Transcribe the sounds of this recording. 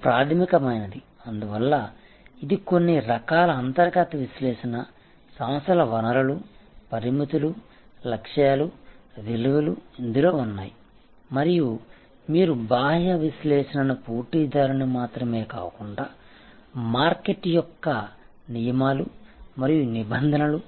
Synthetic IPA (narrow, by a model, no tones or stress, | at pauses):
pɾaːt̪ʰɐmikɐmɐjnɐd̪i | ɐnd̪uʋɐlːɐ | id̪iko̞nːiɾɐkaːlɐːnt̪ɐɾɡɐt̪ɐʋisleːʂɐnɐ | sɐmɐsʰɐlɐʋɐnɐɾɐlupɐɾimit̪ulu | lɐkʂjaːluʋiluʋɐluind̪uloːunːaːji | mɐɾiju | miːɾubaːɦjɐʋisleːʂɐnɐnupuːɾʈiːd̪aːɾunimaːt̪ɾɐme̞ːka̰ːkuɳɖaː | maːɾkeʈːjɔkːɐ | nijɐmaːlumɐɾijunibɐnd̪ʱɐnɐlu